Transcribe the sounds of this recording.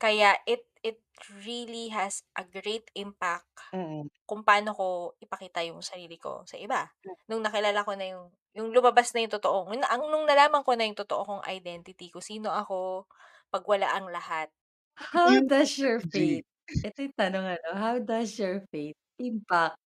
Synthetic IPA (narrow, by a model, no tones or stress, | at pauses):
kɐjaʔɪt̪̚ɪt̪̚ɹiliɦɛsʔɐɡɾejt̪ɪmpak | kʊŋpɐʔaːno̞ko̞ʔɪpɐkiːt̪ɐjʊŋsɐɾiːlɪko̞̰sɐʔɪbanʊŋnɐkɪlaːlako̞nɐjʊŋ | jʊŋlʊmɐbasnɐjʊŋt̪ot̪oʔoŋnɐʔɐŋnʊŋnɐlaːmɐŋko̞nɐjʊŋt̪ot̪oʔokoŋʔɐ̰jd̪ɛnt̪ɪt̪ikʊŋsiːno̞ʔɐko̞ | pɐɡwɐla̰ʔɐŋlɐhat̪̚ | hawd̪ɐsjɔɹfejt̪̚ʔɛt̪ojt̪ɐnoŋɐnoɦawd̪ɐsjɔɹfeɪt̪̚ʔɪmpak̚